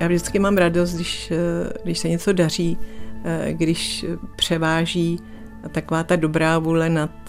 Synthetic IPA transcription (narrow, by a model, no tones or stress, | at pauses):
jaːvʒdɪt͡skɪmaːmɾados̬t̪dɪʃɡdɪʃsɛɲɛt͡so̞dar̝iː | ɡdɪʃpr̝̥ɛvaːʒiː | t̪ako̞vaːt̪ado̞bɾaːvuːlɛnat̪